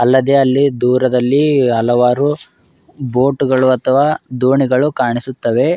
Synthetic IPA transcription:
ɐlːɐd̪e̞ɐlːid̪uːɾɐd̪ɐlːiɦɐlɐʋaːɾu | bo̞ːʈuɡɐɭuɐt̪ʰɐʋaːd̪uːɳiɡɐɭukaːɳisut̪ːɐʋe̞

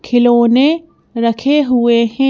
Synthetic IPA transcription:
kʰiloːne | ɾɐkʰeːɦuwehẽ

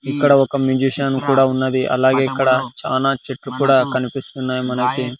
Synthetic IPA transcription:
ikːɐɽɐɔkɐmjuːd͡ʒiːʂaːnukuːɽaːunːɐd̪iʔɐ̰laːɡeikːɐɽɐt͡ʃa̰ːlaːt͡ʃeʈɾukuːɽaːkɐnipist̪unːaːjimɐnɐki

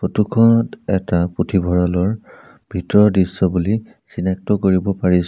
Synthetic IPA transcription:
potukʰɔnɔtɛtapɹutʰibʱɔɹalɔɹ | b̥ʱitɔɹɔdisːɔbuli | sinak̚tɔkoɹibɔpaɹis

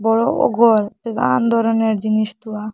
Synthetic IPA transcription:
bɔɹoʔɔ̰ɡɔɾped̪a̰nd̪ʱɔɾɔneɾd͡ʑiniʃt̪ua

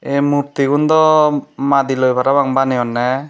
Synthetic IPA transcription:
emuɾt̪iɡund̪ɔmad̪ilojbʰʱaɾabaŋbanɛjɔnːɛ

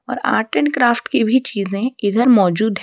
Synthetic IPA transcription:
ɔ̰ːɾa̰ːʈəɳkɾaːfʈkibʱit͡ʃiːzẽɪd̪əɾmɔːd͡ʒuːd̪ɦɛ

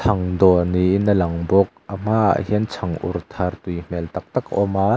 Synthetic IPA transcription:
t̪ʰɐŋd̪ɔniʔnːəlɐŋbɔk̚am̥aa̰hiənt͡sʰɐŋʔṵrt̪ʰart̪ujm̥ɛlt̪ɐk̚t̪ɐkɔma

